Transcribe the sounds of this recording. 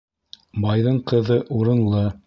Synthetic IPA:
bɑjðɤɴqɤ̆ðɤʔuɾɤ̆nlˠɤ

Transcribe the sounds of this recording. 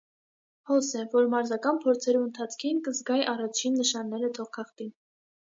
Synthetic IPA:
hɔsɛvɔɾmɑɾzɑkɑnpʰɔɾt͡sʰɛɾuənt̪ʰɑt͡sʰkʰinkəzɡɑjʔɑrɑt͡ʃʰinːəʃɑnːɛɾət̪ʰɔχkʰɑχt̪in

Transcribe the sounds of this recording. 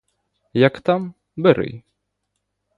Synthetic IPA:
jakt̪am | bɛɾɨ̰j

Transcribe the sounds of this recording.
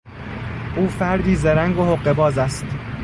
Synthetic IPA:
ʔuːfæɾd̪iːzeɾæŋɡohoɢːe̞bɒːzæst̪

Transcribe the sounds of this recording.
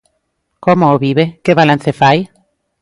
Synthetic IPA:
komoːβiβekeβalanθefaj

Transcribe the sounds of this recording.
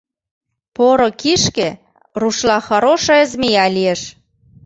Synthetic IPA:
poɾŏkiʃke | ruʃlɑxɑɾoʃɤĕzmijɑlieʃ

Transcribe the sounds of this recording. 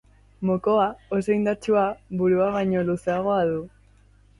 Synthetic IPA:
moko̞aoso̞ind̪aɾt͡ʃuaβuɾuaβ̞ajɲo̞luseaɣ̞o̞aðu

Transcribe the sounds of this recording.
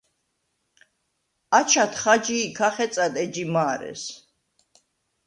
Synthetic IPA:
at͡ʃʰat̪ʰχad͡ʒiːkʰaχɛt̪sʼad̪ɛd͡ʒimaːɾɛ̰s

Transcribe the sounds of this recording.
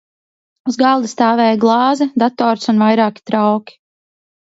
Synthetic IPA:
uzɡalˠd̪ist̪aːvɛːjɡlˠɑːzɛd̪at̪ɔːɾsunvajɾaːkʲi̥t̪ɾawkʲi̥

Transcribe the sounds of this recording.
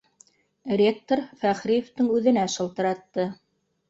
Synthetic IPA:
rʲek̚t̪oɾfæχɾijoft̪ɤŋʉðɘ̆næʃɤ̆lˠt̪ɤ̆ɾɑt̪ːɤ

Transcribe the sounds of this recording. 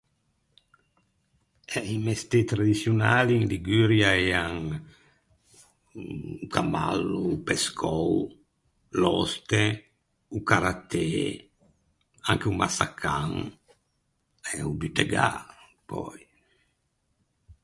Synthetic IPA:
ɛimest̪et̪ɾad̪isjunaːliŋliɡyɾjaɛaŋ | kama̰lːupeskʰɔw | lɔst̪e | ukaɾat̪e | aŋkeumasakʰaŋ | ɛubyt̪eɡa̰ | pɔ̰j

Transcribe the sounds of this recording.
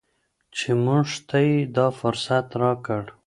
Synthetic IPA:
t͡ʃemʊʐt̪ʰajed̪ɑfʊɾsat̪ɾɑkəɽ

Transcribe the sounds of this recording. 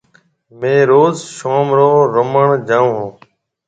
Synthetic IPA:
mẽːɾoːzʃoːmɾoːɾoməɳd͡ʒãːũɦõː

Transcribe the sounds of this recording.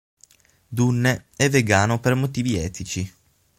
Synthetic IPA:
d̪unːeɛvːeɡaːnopermot̪iːviɛːt̪it͡ʃi

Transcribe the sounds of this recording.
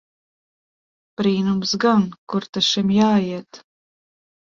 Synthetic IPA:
b̥ɾiːnumsɡankuɾt̪aʃimjaːjiɛt̪

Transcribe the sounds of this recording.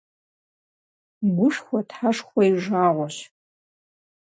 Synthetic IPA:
ɡʷʊʂxʷɔtħaʂxʷɔiʒaːʁʷɔɕ

